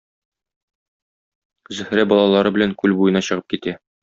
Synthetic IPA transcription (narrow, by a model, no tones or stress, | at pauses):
zɵ̆hɾæbɒlˠɑlˠɑɾɤbɘ̆læŋkʉlbujɤ̆nɑɕɤ̆ʁɤp̚kit̪æ